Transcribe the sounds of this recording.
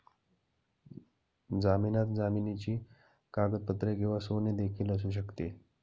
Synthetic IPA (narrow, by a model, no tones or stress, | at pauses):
d͡zaminat̪d͡zaminit͡ɕiː | kaɡəd̪̚pət̪ɾeɡʱeʋasoned̪ekʰiːləs̬uːɕ̬əkt̪e